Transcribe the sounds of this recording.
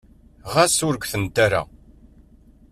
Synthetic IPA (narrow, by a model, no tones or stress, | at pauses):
ʁasʊɾɡʷθənt̪aɾa̰